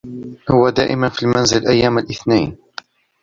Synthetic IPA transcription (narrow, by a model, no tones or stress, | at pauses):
hʊwad̪a̰ːʔɪmanfilmænzɪlʔajːaːmalʔɪθnajn